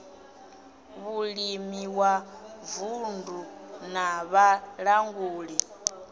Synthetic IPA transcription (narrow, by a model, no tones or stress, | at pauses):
βuɺimiwavundʱunaβaɺaŋɡuːɺi